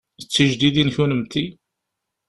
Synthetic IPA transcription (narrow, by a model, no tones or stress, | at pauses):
ət͡sːəʒd̪iðinçunəmt̪i